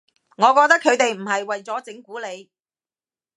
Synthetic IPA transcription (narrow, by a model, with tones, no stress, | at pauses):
ŋɔː˨˧kɔː˧k̚t̪ɐ˥kʰɵ˨˧ɥt̪e˨jm̩˨˩hɐ˨jwɐ˨jt͡sɔː˨˥t͡sɪ˨˥ŋkuː˨˥le˨˧j